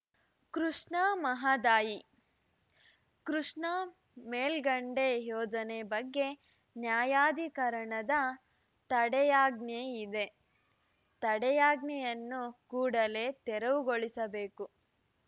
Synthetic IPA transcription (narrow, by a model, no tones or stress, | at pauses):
kɾuʂɳaːmɐɦad̪aːji | kɾuʂɳa | meːlɡɐɳɖejɔːd͡ʒɐnebɐɡːe̞ | njaːjaːd̪ʱikɐɾɐɳɐd̪ɐ | t̪ɐɽɛjaːɡneid̪e̞ | t̪ɐɽɛjaːɡnɛjɐnːukuːɽɐle̞ːt̪ɛɾɐʋuɡoɭisɐbe̞ːku